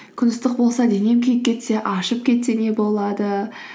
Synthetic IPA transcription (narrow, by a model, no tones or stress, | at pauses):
kʲʰɪnɪst̪əq̚bo̞lˠsɑd̪e̞ne̞mkʲʰejɪp̚ʲkʲʰe̞t̪se̞ʔɑʃəp̚kʲʰe̞t̪se̞ne̞bo̞lˠɑd̪ə